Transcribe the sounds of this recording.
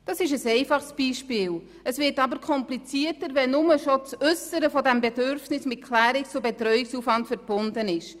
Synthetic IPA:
d̥ɑsɪʃ̬əsɛɪfɑχsb̥iːʃpɪːl | əsvɪtɑbəɾkʰɔmplit͡siətəɾvɛnʊməʃɔt͡sʏsəɾəfɔdɛmbɛdøɾfnɪsmɪt̚kʰlæːɾɪkt͡sʊbɛtɾœʏɪksuːfʋɑntfɛɾb̥ʊndənɪʃ

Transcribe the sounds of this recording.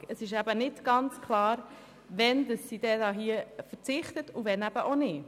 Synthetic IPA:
əsɪʃæbənɪtɡ̥ɑnt͡skʰlɑːɾ | vɛnd̥̪ɑsːid̥ɛdɑːɦiəfəɾt͡sɪχtətuvɛnæb̥əʔonɪː

